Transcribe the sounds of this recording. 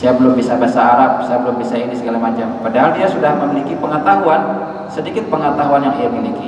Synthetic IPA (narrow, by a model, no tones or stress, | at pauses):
sajabəlʊmbisabəsaːɾap̚sajabəlʊmbisainisəɡalamat͡ʃampadaɦaldiasudahməmilikipəŋət̪aɦuan | sədikɪt̪̚pəŋət̪aɦuanjaŋamiliki